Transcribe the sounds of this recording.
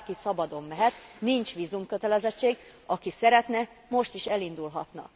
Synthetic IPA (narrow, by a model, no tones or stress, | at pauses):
kisɒbɒd̪o̞mːɛɦɛt̪nint͡ʃʋiːzumkø̞t̪ɛlɛzɛt͡ʃːeːɡɒkisɛɾɛt̪nɛ | mo̞ʃt̪iʃɛlind̪ulɦɒt̪nɒ̰